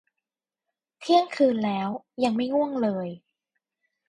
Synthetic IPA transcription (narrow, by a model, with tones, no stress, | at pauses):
t̪ʰi˥˩əŋkʰɯː˧nlɛː˦˥w | ja˧ŋma˥˩jŋu˥˩əŋlɤː˧j